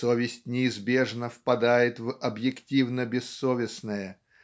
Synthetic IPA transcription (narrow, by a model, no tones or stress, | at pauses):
sovʲɪsʲtʲnʲɪːzbʲe̞ʐnəfpɐd̪ajɪt̪vɐbjɪktʲivnəbʲɪsːovʲɪsnəjə